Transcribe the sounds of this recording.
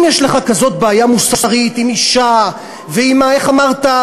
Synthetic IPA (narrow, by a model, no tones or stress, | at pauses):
mjɛʃleχakazo̞t̚baːjamusaʁit̪imiʃa | veimaeχamaʁta